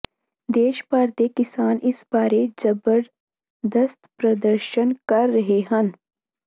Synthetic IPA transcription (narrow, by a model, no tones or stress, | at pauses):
d̪eːʃpaːɾt̪ekɪsaːnɪsbaːɾed͡ʒɐbəɾ | d̪əst̪pɾɐd̪əɾʃənkɐɾːɐɦeɦɐn